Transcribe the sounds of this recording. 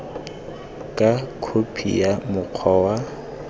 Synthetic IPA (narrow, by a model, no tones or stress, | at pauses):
kʼakʰopʰḭjamʊq͡χʰɔwa